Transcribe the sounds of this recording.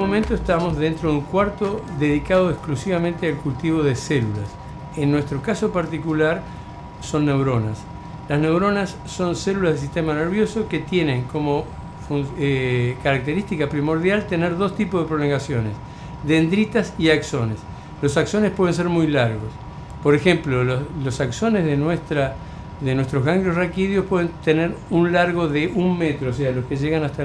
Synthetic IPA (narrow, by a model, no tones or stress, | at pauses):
omẽnt̪oest̪amo̞zðe̞nt̪ɾoðeuŋkwaɾt̪o̞ðe̞ð̞ikað̞o̞eksklusiβ̞amẽnt̪ealkult̪iβo̞ð̞eselulas | enːwe̞st̪ɾo̞kaso̞paɾt̪ikulaɾ | so̞nːewɾo̞nas | lasne̞wɾo̞nasːo̞nselulazðes̬ist̪e̞maneɾβ̞jo̞so̞ke̞t̪je̞nẽ̞ŋko̞mo̞ | fun | kaɾak̚t̪e̞ɾist̪ikapɾimo̞ɾðjalt̪e̞ne̞ɾðo̞st̪ipoðepɾo̞lo̞ŋɡasjo̞ne̞̰s | ðend̪ɾit̪asiakso̞ne̞s | lo̞sakso̞nespwe̞ð̞e̞ns̬e̞ɾmujlaɾɣo̞s | po̞ɾexe̞mplololosakso̞nezðenwest̪ɾa | ðenwe̞st̪ɾozɣaŋɡɾosrakiðjohpwe̞ðe̞nt̪e̞neɾunlaɾɣo̞ðe̞ʔunme̞t̪ɾoːs̬ealo̞ske̞ʒe̞ɣanast̪a